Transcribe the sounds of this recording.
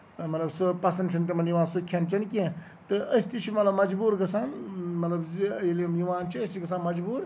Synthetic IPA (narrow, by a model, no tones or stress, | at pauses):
mɐt̪lɐbsupɐsɐnɖt͡ʃʰɐnt̪̬imɐnjuʋãːnsukʰɐnt͡ʃʰɐnkiẽ | t̪ɨʔɐsʲt̪it͡ʃʰimɐt̪lɐbmɐd͡ʒbuːɾɡɐsaːnmɐt̪lɐbilimjuʋãːnt͡ʃʰiɐsʲt̪iɡɐs̬aːnmɐd͡ʒbuːɾ